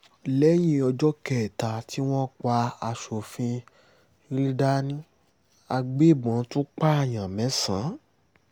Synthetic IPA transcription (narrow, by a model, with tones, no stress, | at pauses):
lɛ˨˦j̃ĩ˦˧˦ɔ˧d͡ʒɔ˦kɛ˨ta˨ti˦w̃ɔ̃˦k͡pa˧a˧ʃo˨fĩ˧ | ĩ˦ɾĩ˦da˦nĩ˦ | a˧ɡ͡be˦˨bɔ̃˨˦tũ˦k͡pa˦a˨j̃ã˨mɛ̃˨˦sã˨˦